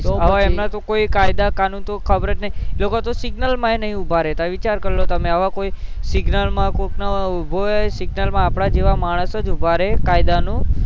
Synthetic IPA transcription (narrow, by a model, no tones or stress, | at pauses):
aʋaemnat̪okoikajd̪akanunt̪okʰəbɾət͡ʃnəĩlokot̪osɪɡnəlmãenəɦĩubʱaɾet̪aʋit͡ʃaɾkəɾlot̪əmẽaʋakoisɪɡnəlmãkoknabʱosɪɡnəlmãːpɽ̃ad͡ʒeʋamaɽ̃əsəd͡ʒubʱaɾekajd̪anũ